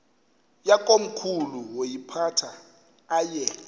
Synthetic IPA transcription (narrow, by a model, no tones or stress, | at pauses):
jak̬ʼom̩kʰuluwojipʰatʰaː | jɛ